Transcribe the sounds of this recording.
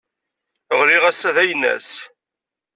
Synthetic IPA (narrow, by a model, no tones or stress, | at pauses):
əʁliʁæsæðæjnːæ̰s